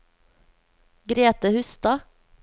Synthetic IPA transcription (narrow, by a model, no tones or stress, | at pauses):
ɡɾeːt̪əhʉst̪ɑ